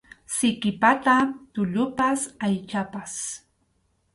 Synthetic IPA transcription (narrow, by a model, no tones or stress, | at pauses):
sɪkɪpat̪at̪ʊʎʊpasajt͡ʃapas